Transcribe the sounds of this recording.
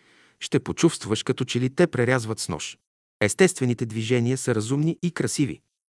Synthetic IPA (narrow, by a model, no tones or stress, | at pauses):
ʃt̪ɛpot͡ʃufst̪vvəʃkɐt̪ɔt͡ʃɛlit̪ɛpɾɛɾʲazvət̪snɔ̰ʃ | ɛst̪ɛst̪vɛnit̪ɛd̪viʒɛniəsəɾɐzumniʔikɾɐsivḭ